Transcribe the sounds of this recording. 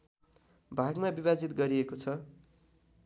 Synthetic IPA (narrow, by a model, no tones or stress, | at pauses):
bʱaɡmabibad͡zit̪ɡʌɾiekot͡sʰʌ